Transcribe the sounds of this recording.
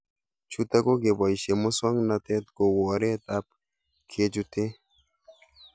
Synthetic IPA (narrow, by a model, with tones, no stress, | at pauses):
t͡ʃu˦t̪a˦ɡo˦ɡe˨ba˨iʃe˨mo˦swa˦ŋnat̪ɛ˦t̪̚ɡo˨wɔ˨ɾe˦t̪a˦p̚ | kʰe˦d͡ʒu˦t̪e˦